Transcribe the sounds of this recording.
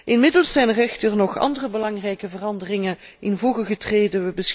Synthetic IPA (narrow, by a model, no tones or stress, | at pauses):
ʔɪnmɪdəlˠsːɛjnrɛxtərnɔχɑ̰ndərəbəlɑŋrɛjkəvərɑndərɪŋəʔɪnvɔlˠɣəɣətreːdəʋəbəs